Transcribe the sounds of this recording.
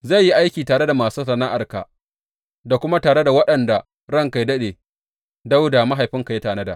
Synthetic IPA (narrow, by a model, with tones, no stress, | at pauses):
za˦˨jːi˦ʔa˦jkʲiː˨taː˨ɽe˦da˨maː˨suː˦sɐ˨na˦ʔa˨rka̰˨ | da˨kʷʊ˦ma˦taː˨ɽe˦da˨wɐ˦ɗɐ˨nda˨ | ɽɐ˦ŋka˨jdɐ˦ɗeː˨ | da˦wda˨ma˦ɦa˨jɸɪ˦ŋka˨je˦taː˨nɐ˦da˨ʔ